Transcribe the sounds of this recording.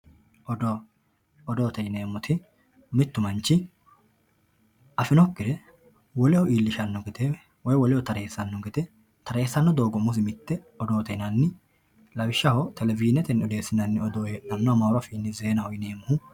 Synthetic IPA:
ɔd̪ɔ | ɔd̪oːt̪ɛjneːmːɔt̪ʰɪ | mɪt̪ːʊmɐnt͡ʃːɪ | ɐfɪnɔkːɪɾɛ | wɔlɛhɔʔiːlːɪʃɐnːɔɡɛt̪ɛ | wɔjwɔlɪhɔt̪ɐɾe̞ːsːɐnːɔɡɛt̪ɛ | t̪ɐɾe̞ːsːɐnːɔd̪o̞ːɡɔmʊsɪmɪt̪ːɛ | ɔd̪oːt̪ɛnɐnːɪ | lɐwɪʃːɐhɔt̪ʰɛlɛvɪd͡ʒɪnɛt̪ɛnːɔd̪e̞ːsɪnɐnːɪɔd̪oːjɛʔɐnːɔmɐɾɐfiːnːɪzeːnɐhɔjɪneːmʊhʊ

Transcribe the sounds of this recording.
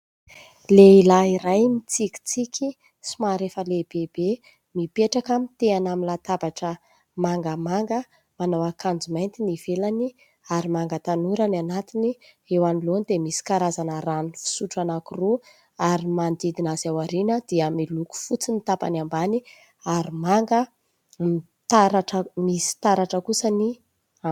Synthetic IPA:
leilaiɾajmit͡siki̥t͡sikʲi | simaɾefəleb̥eb̥e | mipeʈ͡ʂakamit̪eanamilat̪abaʈ͡ʂə | maŋɡəmaŋɡə | manawakand͡zumajnt̪inivelani | aɾimaŋɡət̪anuɾananat̪ini | ewanilonid̪emisi̥kaɾazanəɾanifi̥suʈ͡ʂanakuru | aɾimand̪id̪inazawaɾinəd̪̥iəamiluku̥fut͡simit̪apa̰nambani | aɾimaŋɡə | mi | t̪aɾaʈ͡ʂəmisi̥t̪aɾaʈ͡ʂəkusəni

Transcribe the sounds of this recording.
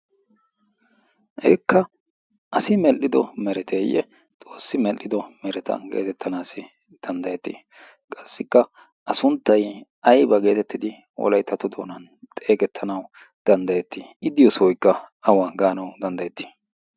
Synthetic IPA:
ʔɛ̰kːɐ | ʔɐsɪmɛlːɪd̪ɔmɛɾɛt̪ʰeːjːɛ̰ | t͡sʼo̞ːsːɪmɛlːɪd̪ɔmɛɾɛt̪ɐ̰ɡe̞̰ːt̪ɛt̪ʰːɐnaːsɪ | d̪̥ɐnd̪ɐjɛt̪ːḭ | kʼɐsːɪkːɐ | ʔɐsʊnt̪ːɐj | ɐjbɐɡe̞ːt̪ɛt̪ːɪd̪ɪ | wɔ̰lɐjt̪ːɐt̪ːʊd̪oːnɐn | t̪ʼe̞ːɡɛt̪ʰːɐnɐw | d̪̥ɐnd̪ɐjɛt̪ːiɪd̪ɪjɔsɔwɔjkːɐɐwaːɡaːnɐwd̪ɐnd̪ɐjɛt̪ːi̥

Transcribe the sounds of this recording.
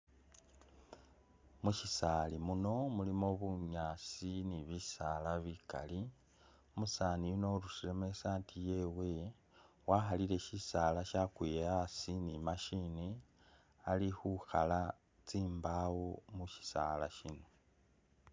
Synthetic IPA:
muʃisalimuno̞mulimo̞βuɲaːt͡siniβisalaβika̰li | omusaːnijuno̞ɾusɾeme̞saːntʰije̞we̞ | waːxalile̞ʃisaːlaʃakwijasinimaʃini | alixuxala | t͡siːmbawomuʃi̥sa̰la̰ʃino̞

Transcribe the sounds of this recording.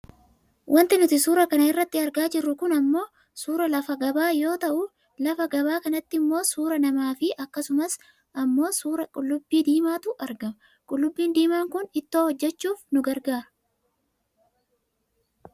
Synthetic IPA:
wʔɐnt̪ɪnʊt̪ɪsuːɾɐkɐnɐɪrːɐt̪ːɪɐɾɡaːd͡ʒɪrːʊkʊnɐmːo̞ː | suːɾɐlɐfɐɡɐbaːjo̞ːt̪ɐʔʊ | lɐfɐɡɐbaːkɐnɐt̪ːɪɪmːo̞ːsuːɾɐnɐmaːfɪʔɐkːɐsʊmɐs | ʔɐmːo̞ːsuːɾɐkʼʊlːʊbːiːd̪iːmaːt̪ʊʔɐɾɡɐmɐ | kʼʊlːʊbːiːnd̪iːmaːŋkʊnɪt̪ːoːhɔd͡ʒːɛt͡ʃːuːfnʊɡɐɾɡaːɾɐ

